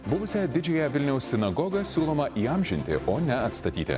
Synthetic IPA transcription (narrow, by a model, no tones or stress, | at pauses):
bʊʋʊsʲɛd̪ʲɪd͡ʒʲɛjɛʋʲɪlʲnʲɛʊssʲɪnɐɡɔɡɐsʲuːlˠoːmɐʔiːɑmʲʒʲɪnʲt̪ʲɪ̰ʔoːnʲɛɐt̪st̪ɐt̪ʲḭːt̪ʲɪ̰